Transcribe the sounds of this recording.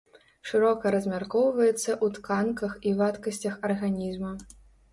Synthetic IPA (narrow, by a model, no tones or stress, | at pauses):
ʂɨɾɔkɐɾɐzʲmʲarkɔwvɐjɛt̪sːɐʔut̪kankɐxivat̪kɐsʲt͡sʲɐxɐrɣanʲizmɐ